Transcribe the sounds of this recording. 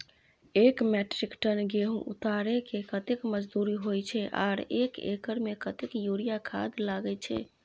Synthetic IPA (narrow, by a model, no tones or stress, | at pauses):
ekmɛʈɾikʈənɡeɦṵ̃ʔṵt̪aɾekekət̪ekməd͡ʒd̪uɾiɦojt͡ʃʰɛʔa̰ɾekḛkəɾmekət̪ekjuɾijakʰa̰d̪laɡɛt͡ʃʰɛ̰